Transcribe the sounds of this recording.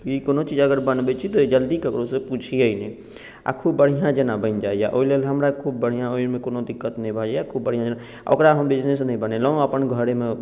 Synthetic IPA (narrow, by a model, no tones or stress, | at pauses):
kikonot͡ʃid͡ʒəɡəɾbənbɛt͡ʃʰit̪ɔd͡ʒəld̪ikəkɾosẽput͡ʃʰiəinɛ | a̰kʰubːəɽ̤ijãd͡ʒənabə̃nd͡ʒaːija̰ʔoilelɦəmɾakʰub̚ːəɽ̤ijãoiɾmekonod̪ikːət̪nəĩbʱəd͡ʒajakʰubːəɽ̤ijãd͡ʒna | o̰kɾaɦəmbid͡ʒnesnəĩbənelɔəpənɡʱəɾeme